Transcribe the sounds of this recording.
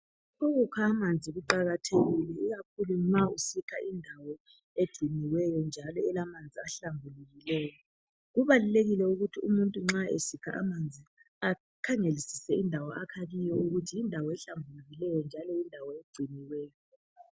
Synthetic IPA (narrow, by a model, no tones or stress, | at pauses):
uɣukʰaːmand͡zʱiɣuǃaɣatʰeɣilɛiɣakʰulumausikʰaʔindʱawɔ | ed̥ɡ͡ǀ̥ʱiniwɛjɔnd͡ʒʱalɔɛlamand͡zʱiaɬambʱuluɣilɛːjɔ | ɣuβaluleɣilɛuɣutʰiumuntʼuŋ͡ǁaḛsikʰa̰ʔa̰mand͡zʱi | a | kʰaŋelisi̥sɛindʱawɔʔakʰaɣijɔuɣutʰiːndʱawɔɛɬambʱuluɣilɛjɔnd͡ʒʱalɔindʱawɔeɡ͡ǀ̥ʱiniwɛːjɔ